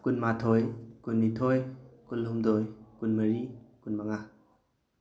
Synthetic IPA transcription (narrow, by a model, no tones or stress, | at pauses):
kunmatʰɔjkunːitʰojkunlumdɔjkunmɐɾikunmaŋa